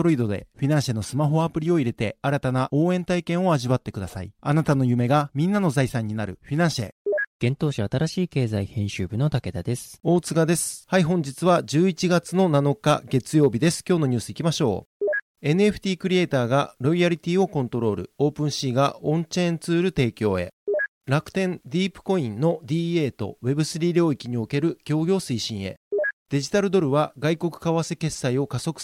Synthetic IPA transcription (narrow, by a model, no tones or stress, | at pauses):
oɾoid̪o̞d̪e̞̰ɸʲinãɰ̃ɕeno̞sɨmaɦo̞apɯ̟ɾʲio̞iɾe̞t̪e̞aɾat̪anaʔo̞ːẽ̞nt̪aikẽ̞ɰ̃o̞aʑiβat̪ːe̞kɯ̟d̪asa̰ḭanat̪ano̞jɯ̟me̞ɡamʲĩnːano̞zaisãɲ̟ːinaɾɯ̟̰ɸʲinãɰ̃ɕḛɡ̥ẽ̞nt̪o̞ːɕiat̪aɾaɕiːke̞ːzaihẽ̞ɕɨːbɯ̟no̞t̪ake̞d̪ad̪e̞sɨ̥o̞ːt͡sɨɡad̪e̞sɨ̥haiɦõ̞ɲ̟d͡ʑit͡sɨβad͡ʑɨːit͡ɕiɡat͡sɨno̞nano̞ka̰ɡe̞t͡sɨjo̞ːbʲid̪e̞sɨ̥kʲo̞ːno̞ɲ̟ɨːsɨikʲimaɕo̞̰ː | e̞nɯe̞ɸɯ̟̥t̪ʲiːkɯ̟ɾʲie̞ːt̪aːɡaɾo̞iaɾʲit̪ʲiːo̞kõnt̪o̞ɾo̞ːɾɯ̟̰o̞ːpɯ̟̃ɰ̃ɕiːɡaõ̞ɲt͡ɕẽnt͡sɨːɾɯ̟t̪e̞ːkʲo̞̰ːe̞̰ | ɾakɯ̟̥t̪ẽ̞nd̪ʲiːpɯ̟̥ko̞ĩnːo̞d̪ʲiːe̞ːt̪o̞̰βe̞bɯ̟sɨɾʲiːɾʲo̞ːikʲiɲ̟io̞ke̞ɾɯ̟ɡ̥ʲo̞ːɡʲo̞ːsɨiɕĩɰ̃e̞̰d̪̥e̞ʑit̪aɾɯ̟d̪o̞ɾɯ̟βaɡaiko̞kɯ̟̥kaβase̞ke̞sːaio̞kaso̞kɯ̟̥